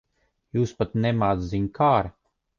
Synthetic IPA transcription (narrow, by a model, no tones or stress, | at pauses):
juːspat̪nɛmaːd̪ziɲkʰaːɾa